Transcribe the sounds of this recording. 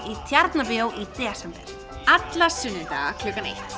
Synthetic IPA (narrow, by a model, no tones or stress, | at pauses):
it̪ʰjaɾt̪napɪowʔit̪ɛːsɛmpɛ̰l | at̪lasʏnːɪt̪a̰ɣakʰlʏːkːanḛjt̪